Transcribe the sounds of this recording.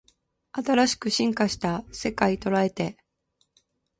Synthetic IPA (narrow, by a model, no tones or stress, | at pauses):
at̪aɾaɕi̥kɯ̟ɕĩŋkaɕi̥t̪ase̞kait̪o̞ɾae̞t̪e̞